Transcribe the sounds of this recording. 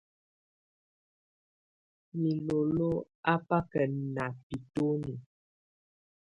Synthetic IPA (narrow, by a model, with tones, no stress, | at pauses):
mi˨lo˨lo˦ | a˦pa˦kə˨na˨pi˨to˦ni˨